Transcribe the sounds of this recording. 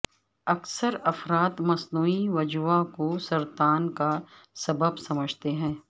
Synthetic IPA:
ɐksəɾɐfɾaːt̪mɐsnuːiʋɐd͡ʒuakosɐɾt̪aːnka | sɐbəbsɐməd͡ʒʱt̪eɦɛ̃ː

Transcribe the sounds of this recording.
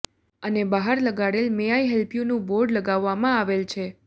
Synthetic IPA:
ənebaɦaɾləɡaɽelmejaiɦɛlpjunũboɾɖləɡaʋːamãaʋelt͡ʃʰe

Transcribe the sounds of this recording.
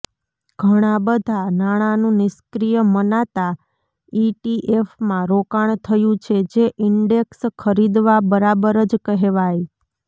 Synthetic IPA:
ɡ̥ʱəɽ̃abəd̪ʱanaɽ̃anũnɪskɾijəmənat̪a | iʈiʔefmãɾokaɳ̃t̪ʰəjũt͡ʃʰed͡ʒeʔɪɳɖekskʰəɾid̪ʋabəɾabəɾəd͡ʒkəɦeʋaj

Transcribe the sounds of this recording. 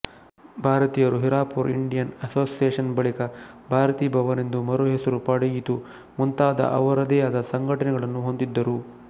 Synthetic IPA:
bʱaːɾɐt̪iːjɐɾuɦiɾaːpuɾiɳɖijɐnɐsoːsijeːʂɐnbɐɭikɐ | bʱaːɾɐt̪iːbʱɐʋɐnend̪umɐɾuɦesɐɾupɐɽɐjit̪u | munt̪aːd̪ɐ̰ʔɐ̰ʋɐɾɐd̪eːaːd̪ɐsɐŋɡʱɐʈɐnɛɡɐɭɐnːuɦond̪id̪ːɐɾu

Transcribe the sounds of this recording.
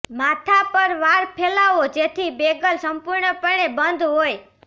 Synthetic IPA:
mat̪ʰapəɾʋaɾpʰelaʋod͡ʒet̪ʰibeɡəlsəmpʊɾɳəpəɳebənd̪ʱɦoj

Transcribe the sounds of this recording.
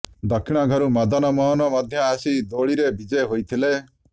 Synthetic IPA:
d̪ɔkʰːiɽ̃ɔɡʱɔɾumɔd̪ɔnɔmɔɦɔnɔmɔd̪ʱjɔasid̪oɭiɾebid͡ʒeɦojt̪ʰile

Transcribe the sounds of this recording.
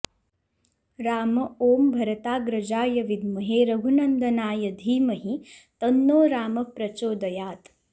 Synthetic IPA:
ɾaːmɐoːmbʱɐɾɐt̪aːɡɾɐd͡ʒaːjɐʋid̪mɐɦeːɾɐɡʱunɐnd̪ʱɐnaːjɐd̪ʱiːmɐɦit̪ɐnːoːɾaːmɐpɾɐt͡ʃoːd̪ɐjaːt̪

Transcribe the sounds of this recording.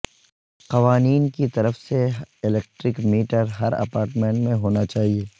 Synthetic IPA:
qɐʋaːniːnkit̪ɐɾəfseɪleːk̚ʈɾɪkmiːʈəɾɦɐɾɐ̰paːɾʈmẽːɳʈmẽɦoːnat͡ʃaːɦieː

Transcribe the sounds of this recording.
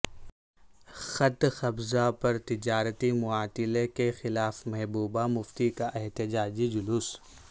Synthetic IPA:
xɐt̪xɐbzapɐɾt̪ɪd͡ʒaːɾət̪imʊaːt̪ɪlekexɪlaːfmɛɦbuːbamʊft̪ikaʔɛɦt̪ɪd͡ʒaːd͡ʒid͡ʒʊlʊs

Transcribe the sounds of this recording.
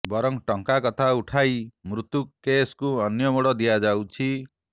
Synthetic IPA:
bɔɾɔŋʈɔŋkakɔt̪ʰauʈʰajmɾut̪ukkːeskuɔnjɔmoɽɔd̪ijad͡ʒawt͡ʃʰi

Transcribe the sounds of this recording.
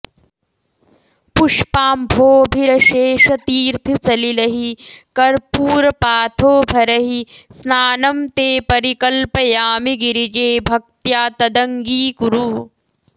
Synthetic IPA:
puʂpaːmbʱoːbʱiɾɐʃeːʃɐt̪iːɾt̪ʰisɐlilɐɦikɐɾpuːɾɐpaːt̪ʰoːbʱɐɾɐɦisnaːnɐmt̪eːpɐɾikɐlpɐjaːmiɡiɾid͡ʒeːbʱɐk̚t̪jaːt̪ɐd̪ɐŋɡiːkuɾu

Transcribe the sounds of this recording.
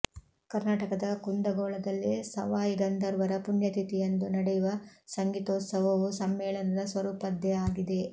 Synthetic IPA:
kɐɾnaːʈɐkɐd̪ɐkund̪ɐɡɔːɭɐd̪ɐlːisɐ̰ʋaːjiɡɐnd̪ɐɾʋɐɾɐpunjɐt̪it̪ijɐnd̪unɐɽɛjuʋɐsɐŋɡit̪oːt̪sɐʋɐʋusɐmːɛːɭɐnɐd̪ɐsʋɐɾuːpɐd̪jɛaːɡid̪e̞

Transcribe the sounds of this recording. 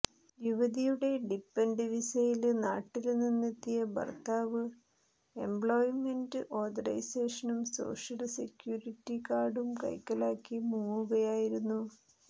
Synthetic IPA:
juʋɐðijuɽe̞ɖipːenɖiʋisɐjilnaːʈːilninːet̪ːijɐbɐ̰rt̪aːʋɨ | e̞mbɭoːjime̞ndɨʔo̞ːd̪ɐɾɐ̰jseːʂɐnumso̞̰ːʂɐlse̞kjuːritːikaːɽumkɐ̰jkːɐlaːkːimuːŋuɣɐjaːjiɾunːu

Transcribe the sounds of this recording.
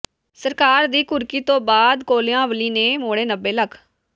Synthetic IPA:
səɾkaːɾd̪iːkʊɾkiːt̪õːbaːd̪koːleãːʋəliːneːmoːɽeːnəbːeːləkʰ

